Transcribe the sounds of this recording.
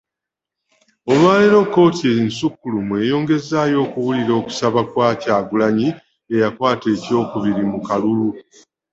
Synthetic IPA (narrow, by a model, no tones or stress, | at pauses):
o̞mwaːleɾo̞kːo̞ːtiensukːulumwe̞ːjo̞ːŋɡe̞zaːjo̞ːkuwuliɾo̞ːku̥saβakwaːcaːɡulaɲi | e̞jakwaːte̞ːco̞ːkuβiɾimukalulu